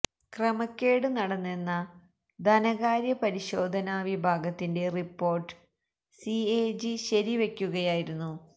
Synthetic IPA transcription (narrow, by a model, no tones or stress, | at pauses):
krɐmɐkʲːeːɽɨnɐɽɐnːe̞nːɐ | d̪ʱɐnɐɣaːɾjɐpɐɾiɕo̞ːd̪ʱɐnaʋibʱaːɡɐt̪ːinde̞ripːo̞ːrʈːɨ̥ | sieːd͡ʑiɕɐɾiʋe̞kʲːuɣɐjaːjiɾunːu